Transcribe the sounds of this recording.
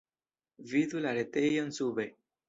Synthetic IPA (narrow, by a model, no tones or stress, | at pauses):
viðulaɾet̪ejonsuβe